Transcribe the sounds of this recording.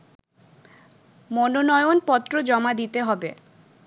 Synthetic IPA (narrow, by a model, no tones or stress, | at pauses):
mononɔeonpɔt̪ːɾod͡ʑɔmad̪it̪eɦɔbḛ